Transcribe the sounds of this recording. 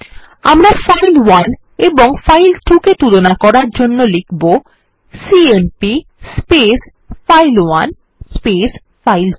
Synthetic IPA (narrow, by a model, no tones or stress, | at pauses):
amɾaɾfajlwan | eboŋfajlʈʰuket̪ulonakɔɾaɾd͡ʑonːolikʰbo | sienpi | spes | fajlwan | spes | fajl